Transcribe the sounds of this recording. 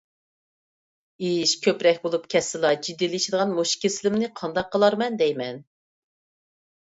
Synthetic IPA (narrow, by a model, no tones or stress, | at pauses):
iʃkʲʰøpɾɛkʲbolˠupkʲʰɛsːɨlˠɑd͡ʒid̪ːiliʃid̪əʁɑnmoʃkʲʰesɪlɪmnɪqʰɑnd̪ɑqːəlˠɑɾmɛnd̪ɛjmɛn